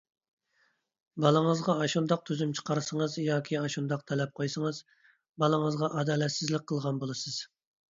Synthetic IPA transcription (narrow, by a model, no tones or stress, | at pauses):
bɑlˠəŋəzʁɑɑʃund̪ɑq̚t̪ʰyzymt͡ʃʰə̥qʰɑɾɨsəŋəzjɑːkʲʰiɑʃund̪ɑqt̪ʰɛlɛp̚qʰojsəŋəz | bɑlˠəŋəzʁɑʔɑd̪ɑːlɛt̪sɪzlɪk̚ʲqʰːəlˠʁɑnbolˠɨsɨz̥